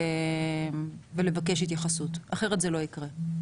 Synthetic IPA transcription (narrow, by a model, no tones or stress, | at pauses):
mvele̞vake̞ʃit̪̬jaχasutaχeʁetzelo̞ikʁe